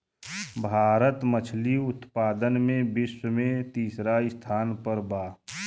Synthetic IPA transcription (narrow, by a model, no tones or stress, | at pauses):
bʱaːɾət̪mət͡ʃʰliʊt̪paːd̪ənmẽbɪswəmẽt̪iːsɾaɪst̪ʰaːnpəɾbaː